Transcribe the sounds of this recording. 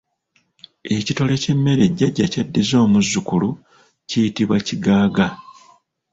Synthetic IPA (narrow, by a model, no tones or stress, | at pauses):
e̞cito̞le̞ce̞mːe̞ɾe̞ɟːaɟːacadːezo̞ːmuzːukulu | cijitiβwaciɡaːɡa